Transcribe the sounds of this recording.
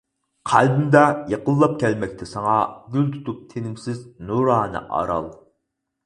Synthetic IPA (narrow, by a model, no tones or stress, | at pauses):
qʰæ̰lbymd̪ɛjeqəlˠːɑp̚kʲʰɛlmɛkʲt̪ʰɛsɑŋɑɡʲylt̪ʰu̥t̪up̚t̪ʰenɪmsɪznuɾɑːnɨ̰ʔɑ̰ɾɑ̰lˠ